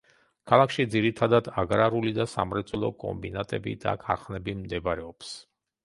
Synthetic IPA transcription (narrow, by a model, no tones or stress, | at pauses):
kʰalˠakʃid̪ziɾit̪ʰad̪ad̪aɡɾaɾulid̪asamɾɛt̪sʼwɛlˠɔkʼɔ̰mbinat̪ʼɛbḭd̪a̰kʰaɾχnɛbimd̪ɛbɾɛɔps